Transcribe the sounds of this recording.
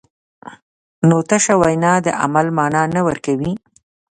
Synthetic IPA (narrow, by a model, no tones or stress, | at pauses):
not̪aʃawajnɑd̪ə̰ʔa̰malmɑnɑnawəɾkawi